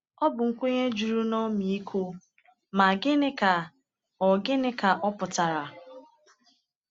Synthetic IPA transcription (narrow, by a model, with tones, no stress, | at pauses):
ɔ˦bʊ˨ŋ̩˦kʷo˦ɲe˦d͡ʒu˨ɾu˦nɔ˦mi˨i˦kʰo˦ | ma˨ɡɪ˦nɪ˦ka˨ | ɔ˨ɡɪ˦nɪ˦ka˨ʔɔ˦pʊ˨ta˨ɾa˨